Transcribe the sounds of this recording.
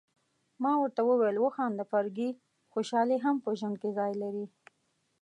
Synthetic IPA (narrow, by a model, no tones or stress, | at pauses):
mɑwəɾt̪awəwejlwəxɑnd̪əfaɾɡi | xoʃɑleɦampəʒwand̪̚kezɑjlaɾi